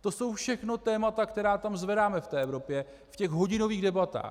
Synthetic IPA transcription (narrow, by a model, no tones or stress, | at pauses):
t̪o̞so̞wfʃɛxno̞t̪ɛːmat̪akt̪ɛɾaːt̪amzvɛdaːmɛft̪ɛːʔɛvɾo̞pjɛ | fcɛɣɦo̞ɟɪno̞viːɣdɛbat̪a̰ː